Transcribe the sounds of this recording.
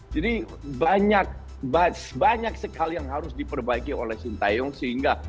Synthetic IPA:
d͡ʒadi | baɲak̚ | basbaɲaksəkalijaŋɦaɾʊsdipərbaikiolɛhsint̪ajɔŋsəhiŋɡa

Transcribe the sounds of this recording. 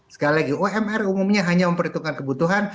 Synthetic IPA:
sə̥kalilaɡioɛmɛrumumɲaɦaɲaməmpəɾint̪ukankəbut̪uɦan

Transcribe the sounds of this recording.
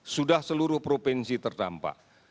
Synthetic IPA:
sudahsəluɾʊhpɾopɛnsit̪ərdampa̰

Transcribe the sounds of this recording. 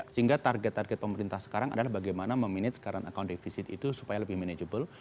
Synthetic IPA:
səɦiŋɡat̪arɡɛt̪ːarɡɛt̪̚pəməɾint̪ahsə̥kaɾaŋa̰dalahbaɡajmanaməminɪt̪sə̥kaɾaŋakawndifisɪt̪ḭt̪usu̥pajaləbɪhmened͡ʒəbəl

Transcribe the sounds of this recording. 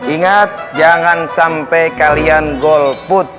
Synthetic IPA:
iŋat̪̚d͡ʒaŋansampɛkalianɡɔlput̪̚

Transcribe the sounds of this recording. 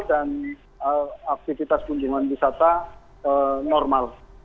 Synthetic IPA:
dan | əak̚t̪ifit̪asɡund͡ʒuŋanwisat̪a | ənɔrmal

